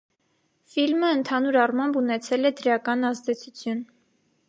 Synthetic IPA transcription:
filməːnt̪ʰɑnuɾɑrmɑmbunɛt͡sʰɛlɛd̪əɾjɑkɑnɑzd̪ɛt͡sʰut͡sʰjun

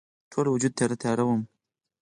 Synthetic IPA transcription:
tʰolwʊd͡ʒud̪̚t̪ʰaɾat̪ʰajaɾawəm

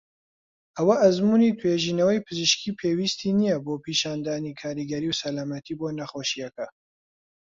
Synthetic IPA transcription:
ʔɐwɐʔɐzmuːnit̪ʰweːʒiːnɐwɐjpʰɨzɨʃkʰiːpʰeːwist̪ʰiːnijɐboːpʰiːʃaːnd̪aːnikʰaːɾiɡɐɾiːwsɐlaːmɐt̪ʰiːboːnɐχoːʃijɐkɐ

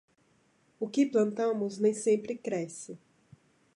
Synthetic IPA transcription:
ʊkɪplɐ̃nt̪ɐ̃mʊznẽj̃sẽmpɾɪkɾɛsɪ

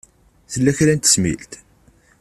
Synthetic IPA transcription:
θəlːæçɾænt̪ə̥smḭlt̪

